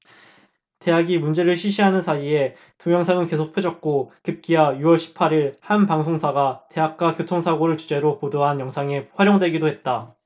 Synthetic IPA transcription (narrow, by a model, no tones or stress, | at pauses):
te̞ɦaɡimund͡ʑe̞ɾɯɭɕʰiɕʰiɦanɯnsʰaie̞ | toŋjʌŋsʰaŋɯnke̞sʰok̚pʰɯd͡ʑʌk̚k͈okɯp̚k͈iajuwʌɭɕʰi̥pʰaɾiɭhanpaŋsʰoŋsʰaɡate̞ɦak̚k͈akjotʰoŋsʰaɡoɾɯɭt͡ɕud͡ʑe̞ɾopodoɦanjʌŋsʰaŋeɸwaɾjoŋdwe̞ɡidoɦe̞t̚t͈a